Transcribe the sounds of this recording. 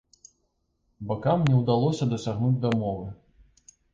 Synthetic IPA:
bakamnʲɛwd̪alˠɔsʲɐd̪ɐsʲaɣnud͡zʲd̪ɐmɔvɨ

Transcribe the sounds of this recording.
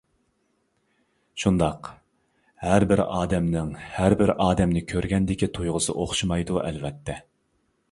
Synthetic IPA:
ʃund̪ɑq | hæɾbɪɾɑːd̪ɛmnɪŋhæɾbɪɾʔɑːd̪ɛmnɪkʲʰøɾɡʲɛnd̪ɪkʲit̪ʰujʁəzɨ̰ʔoχʃɨmɑjd̪uʔɛ̰lvɛt̪ʰːɛ

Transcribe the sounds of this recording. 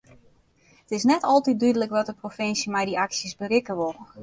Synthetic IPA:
ətɪsnɛtɔlˠtit̚dydələkʋɔt̚dəprofɪnsimɛjdiaksjəsbərɪkəʋolˠ

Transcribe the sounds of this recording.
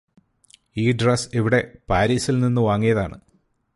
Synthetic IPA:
iːɖrɐseʋiɽe̞paːɾiːsilninːɨʋaːŋːijɐðaːɳɨ̰

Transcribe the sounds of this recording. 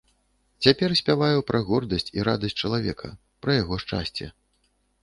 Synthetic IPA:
t͡sʲapʲɛrsʲpʲavajupɾʔɐɣɔrd̪ɐsʲt͡sʲiɾad̪ɐsʲtʲt͡ʂɐlˠavʲɛ̰kʰɐ̰ | pɾɐjaɣɔʂt͡ʂa̰sʲt͡sʲɛ̰

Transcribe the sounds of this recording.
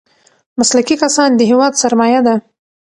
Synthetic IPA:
maslakikasɑnd̪əɦewɑd̪saɾmɑjad̪a

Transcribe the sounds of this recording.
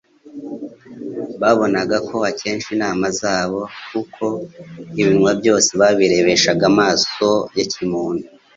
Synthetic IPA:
βaβo̞naɡakʰo̞acʰe̞ːnʃinaːmazaːβo̞kukʰo̞iβinŋwabjo̞ːseβaβiɾe̞βe̞ʃaɡamaːso̞jacʰimuːnu

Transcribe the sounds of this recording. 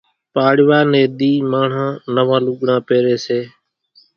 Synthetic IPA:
paːɽɪʋaːneːd̪iːmaːɳ̤ãːnəʋãːlʊɠɳãːpeːɾeːseː

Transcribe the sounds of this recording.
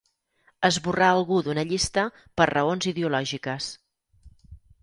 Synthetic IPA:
əzβuraəlˠɣuðunəʎist̪ə | pəɾrəonziðeulɔʒikəs

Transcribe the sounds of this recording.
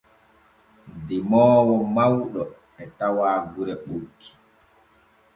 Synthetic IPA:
dimɔːwɔmawɗɔ | ɛtawaːɡuɾɛɓukʰːi̥

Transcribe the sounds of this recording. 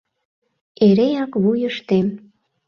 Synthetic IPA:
eɾejɑkβujəʃt̪em

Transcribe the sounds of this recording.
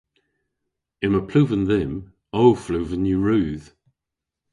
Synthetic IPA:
ɪməpʰl̥ʉːvə̃nðɪm | owflʉːvə̃njʉɹʉːð̥

